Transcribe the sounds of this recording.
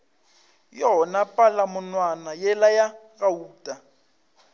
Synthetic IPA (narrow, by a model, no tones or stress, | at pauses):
jɔɔnapʼalamʊnwanajɛlaja | ɣauːtʼa